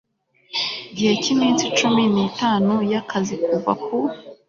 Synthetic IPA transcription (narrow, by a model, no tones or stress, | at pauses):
ɟihe̞cimiːnsit͡ʃuminiːtaːnujakʰazikuva̰ku